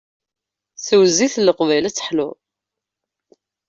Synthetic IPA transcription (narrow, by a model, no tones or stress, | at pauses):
θəwziθlːəqvæjlæt͡sːə̥ħlʊ̰